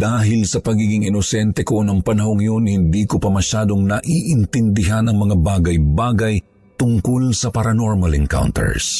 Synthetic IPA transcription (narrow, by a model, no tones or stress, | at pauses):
d̪aːɦɪlsɐpɐɡiːɡɪŋɪnosɛnt̪ɛko̞nɐŋpɐnɐɦoŋjonhɪnd̪ikopɐmɐʃaːd̪oŋnɐʔiʔɪnt̪ɪnd̪ɪɦanɐŋmɐŋabaːɡɐjbaːɡɐj | t̪ʊŋkolsɐpɐɾɐnoɹmalɛ̰ŋka̰wnt̪ɛ̰ɹs